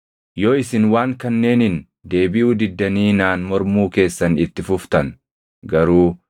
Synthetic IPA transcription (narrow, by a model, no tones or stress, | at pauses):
joːɪsɪnwaːŋkɐnːe̞ːnɪn | d̪e̞ːbɪʔuːd̪ɪd̪ːɐniːnaːnmɔɾmuːke̞ːsːɐnɪt̪ːɪfʊft̪ɐn | ɡɐɾuː